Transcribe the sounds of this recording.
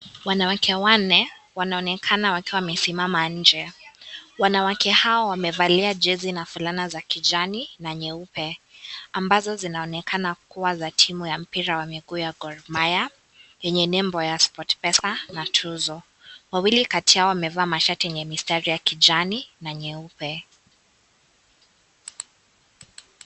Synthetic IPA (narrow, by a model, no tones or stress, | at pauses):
wanawakʰɛwanɛwanaɔnɛkʰanawakiwamɛsimamaɲ̩d͡ʒɛ | wanawakʰɛhaɔwamɛvaliad͡ʒɛzinafulanazakid͡ʒaninaɲɛupɛambazɔzinaɔnɛkʰanakuwazatʰimujam̩piɾawamiɡuːjaɡɔɾmaja | jɛɲɛnɛmbɔjaspɔtpɛsanatʰuzɔ | wawilikatiaɔwamɛvaːmaʃatiɛɲɛmistaɾijakid͡ʒaninaɲɛupɛ